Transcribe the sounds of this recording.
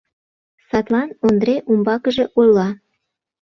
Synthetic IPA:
sɑt̪lɑnond̪ɾeʔumbɑkəʒe̽ʔojlːɑ

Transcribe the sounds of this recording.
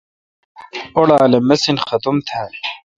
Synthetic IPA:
oɽaːlemɐsinxɐt̪umt̪ʰaːi

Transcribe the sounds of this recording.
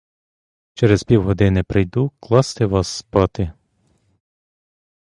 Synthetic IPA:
t͡ʃɛɾezpʲiwɦɔd̪ɪnɪpɾɪjd̪uklˠɑst̪ɪʋɑsːpɑt̪ɪ

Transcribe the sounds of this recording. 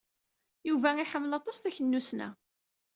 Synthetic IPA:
juvæiħəmːlɑt̪ˤɑsθæçənːusnæ̰

